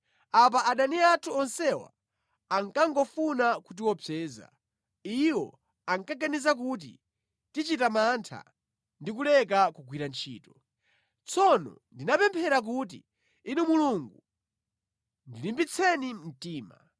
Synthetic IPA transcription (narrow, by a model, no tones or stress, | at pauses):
ap̬aaɗaniatʰuɔnsɛwa̰ | aŋkaŋɡɔfunakut̬iwɔpʰɛːza̰ | iwɔ̰ | aŋkaɡanizak̬ut̬ḭ | tit͡ʃitamantʰa̰ | ndik̬ulɛk̬akuɡwiɾant͡ʃʰḭːtɔ | t͡sʰɔnɔ̰ndinapɛmpʰɛɾak̬uːt̬ḭ | inimuluŋɡu | ndilimbit͡sʰɛnim̩tiːma̰